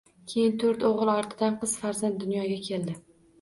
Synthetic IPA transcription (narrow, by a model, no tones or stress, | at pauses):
kʲʰe̞jɪnt̪ʰoɾt̪oʁɨlˠɒɾt̪ʰɪd̪anqɨz̥faɾzant̪̚d̪ːʊnjɒɡʲakʲʰe̞ld̪ɪ